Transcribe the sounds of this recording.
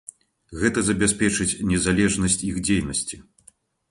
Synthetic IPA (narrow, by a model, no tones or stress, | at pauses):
ɣɛt̪ɐzɐbʲɛspʲɛt͡ʂɨt͡sʲnʲɛzalʲɛʐnɐsʲt͡sʲixd͡zʲejnɐsʲt͡sʲi